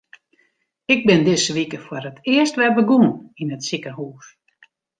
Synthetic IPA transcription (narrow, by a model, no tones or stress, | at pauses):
ɪɡ̚bɪndɪsʋikəfworətʰɪəstʋɛrbəɡuəninətsikəhuːs